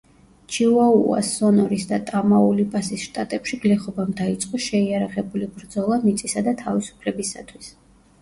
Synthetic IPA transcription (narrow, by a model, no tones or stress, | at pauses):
t͡ʃʰiuaua̰sːɔnɔɾisd̪at̪ʼamaulipʼasisʃt̪ʼat̪ʼɛpʃiɡlɛχɔbamd̪ait̪sʼqʼɔʃɛiaɾaʁɛbulibɾd̪zɔlˠamit̪sʼisad̪at̪ʰavisu̥pʰlɛbisa̰t̪ʰwis